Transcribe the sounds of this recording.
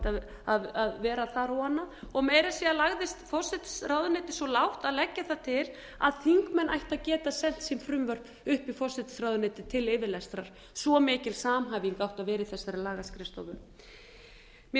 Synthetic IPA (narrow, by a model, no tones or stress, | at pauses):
t̪a | aðaðvɛːɾaθaɾɔwhanːaɔɣmɛːjɾasialaɣðɪst̪fɔsɪt̪sraːwðʏnɪːt̪ɪsvɔlawht̪aðlɛcːaθat̪ʰɪl | a̰ðθiŋkmɛnʔajht̪aðcɛːt̪asɛn̥t̪simfɾʏmvœr̥p | ʏhpifɔsɪt̪sɾawðʏnɪːt̪ɪt̪ʰɪlɪːvɪlɛst̪ɾaɾ̥ | svɔmɪːcɪlsaːmɦaːviŋkawht̪aðvɛːɾɪθɛsːaɾɪlaːɣaskɾɪst̪ɔ̰wðʏ | m